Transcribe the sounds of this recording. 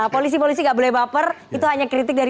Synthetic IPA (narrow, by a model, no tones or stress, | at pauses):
polis̬ipolis̬iŋɡaʔbolɛhbapər | it̪uɦaɲakɾit̪ɪk̚daɾi